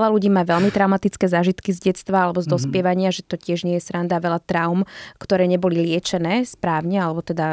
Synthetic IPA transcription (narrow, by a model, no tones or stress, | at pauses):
ɛlaluɟiːmaːʋɛʎmit̪ɾaʊmat̪it͡skɛːzaːʒit̪kizɟɛt͡st̪ʋaalɛbɔzd̪ɔspɪɛʋaɲɪaʒɛt̪ɔcɪɛʒɲɪɛjɛsɾand̪aʋɛlat̪ɾaʊmkt̪ɔɾɛːɲɛbɔlilɪɛt͡ʃɛnɛːspɾaːʊɲɛalɛbɔt̪ɛd̪a